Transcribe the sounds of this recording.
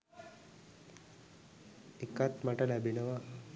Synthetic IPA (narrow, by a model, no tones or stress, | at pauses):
ekat̪maʈəlæbinəʋa